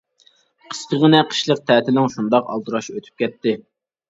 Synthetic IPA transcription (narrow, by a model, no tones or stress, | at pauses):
qʰə̥skʲəʁənɛqʰə̥ʃlˠəq̚t̪ʰɛːt̪ɪlɪŋʃund̪ɑqɑ̰lˠd̪ɨɾɑʃøt̪ʰy̥p̚kʲɛt̪ːɪ